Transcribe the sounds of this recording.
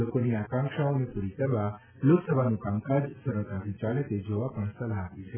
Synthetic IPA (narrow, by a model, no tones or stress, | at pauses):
okoniakãŋkʃaonepuɾikəɾʋa | loksəbʱanũkamkad͡ʒsəɾəɭt̪ʰat̪ĩt͡ʃalet̪ed͡ʒoʋapəɳsəlaɦapit͡ʃʰe